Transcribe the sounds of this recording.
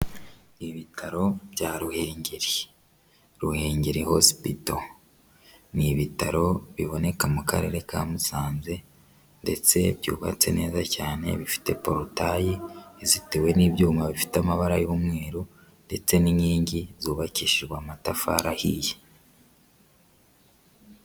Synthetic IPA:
iβitʰaɾo̞bɟaːɾuhe̞ːɲɟeɾi | ɾuhe̞ːɲɟeɾihosi̥pito | niβitaɾo̞βiβo̞ne̞kamuka̰ɾe̞ɾe̞ka̰ːmusaːnze̞ | nde̞t͡se̞bjṵːβa̰t͡se̞̰ne̞ːzacaːne̞̰βifi̥te̞po̞ɾotajizite̞we̞niβɟuːmaβifi̥tamaβaɾajoːmŋe̞ːɾo | nde̞t͡se̞niɲiːɲɟizuːβaciʃiɾɡwamatafaɾahiːje

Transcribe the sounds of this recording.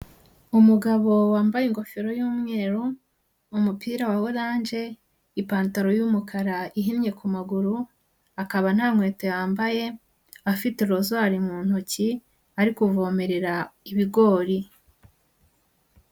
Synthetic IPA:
umuɡaβo̞waːmbajeŋɡo̞feɾo̞juːmŋe̞ːɾoː | mupiːɾawawodaːnd͡ʒe̞ | ipaːntaɾo̞jumukʰaɾaiɦinɲe̞kumaɡuɾu | akaβan̥haːŋwe̞ːtejaːmbaje̞ | afiteɾozaɾimuːn̥oci | aɾikuvo̞ːmeɾeɾaiβiɡo̞ːɾi

